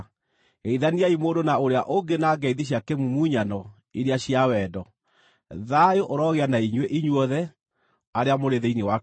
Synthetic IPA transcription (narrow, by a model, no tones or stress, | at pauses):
ɣeiðaniaimoːndonaoɾeaʔoŋɡenaːɡɛiðiɕ̬jakemumuɲanɔ | iɾeaɕiawɛdɔ | ðajoʔoɾɔɣeanaiɲweʔiɲwɔðɛ | aɾeamoɾeðeinewa